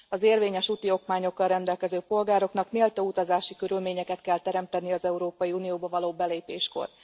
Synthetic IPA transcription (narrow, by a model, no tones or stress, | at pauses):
ɒzeːrveːɲɛʃut̪io̞kmaːɲo̞kːɒlrɛnd̪ɛlkɛzøːpo̞lɡaːɾo̞knɒkmeːlt̪out̪ɒzaːʃikøɾylmeːɲɛkɛt̪kɛlt̪ɛɾɛmt̪ɛniɒzɛuɾoːpɒjiunijoːbɒvɒloːbɛleːpeːʃko̰r